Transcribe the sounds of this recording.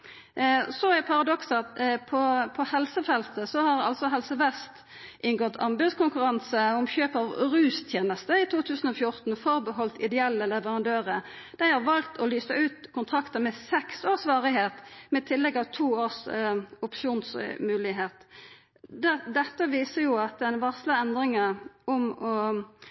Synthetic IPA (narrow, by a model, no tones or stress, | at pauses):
sɔæɪpʰɑʁɑd̪ɔksɑt̪pʰɔpʰɔhɛlsəfɛlt̪əsɔhɑɾɑ̰lsɔɦɛlsəʋɛst̪ | ʔɪŋɡɔt̪ʰɑmbʉdskʰʊŋkʉʁɑnsəʊmçøːpɑʋɾʉːst̪ʰjeːnəst̪əɪt̪ʰuːt̪ʰʉːsən̩ɔfjʊʁt̪n̩fɔʁbəhɔlt̪ɪ̰d̪ɛɛlːəlɛʋəʁɑnd̪øːʁə | d̪̥æɪhɑʁʋɑlt̪ʰɔlyːsəʉːt̪kʰʊnt̪ʰʁɑkt̪əmɛsɛksoːʁsʋɑːʁɪɦeːt̪mɛt̪ʰɪlːɛɡɑʋt̪ʰuːoːʁsʊpʃuːnsmʉːlɪɦeːt̪ | d̪d̪ɛt̪ːəʋiːsəjʊɑt̪̚d̪ɛnʋɑʁsləɛnd̪ʁɪŋəʔɔmɔ